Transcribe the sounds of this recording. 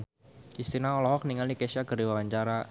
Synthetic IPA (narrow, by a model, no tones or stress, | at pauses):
kist̪inaɔlɔhɔk̚niŋaldikɛsaɡəɾiwawaɲt͡ʃaɾa